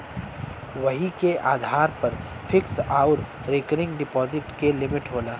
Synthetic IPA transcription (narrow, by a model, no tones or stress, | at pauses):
ʋɐɦikeʔa̰ːd̪ʱaːɾpɐɾ | fʰɪksaːʊɾ | ɾeːkəɾɪ̃ŋɡɖɪpɔːzɪʈkelɪmɪʈɦoːlaː